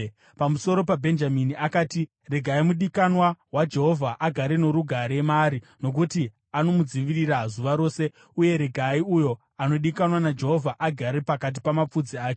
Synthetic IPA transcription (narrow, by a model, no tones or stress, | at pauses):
pamuso̞ɾo̞pabʱe̞nd͡ʒaminiakaːti | re̞ɡʱaimuɗikanwawad͡ʒe̞ɦo̞vʱaʔaɡʱaɾeno̞ɾuɡʱaɾemaɾi | no̞k̬uti | ano̞mud͡ziʋirirazuʋaɾo̞ːse̞ | uje̞ɾe̞ɡʱaiujo̞ | ano̞ɗikanwanad͡ʒe̞ɦo̞vʱaʔaɡʱaɾepakat̬i̥pamap͡fud͡ziaːt͡ʃe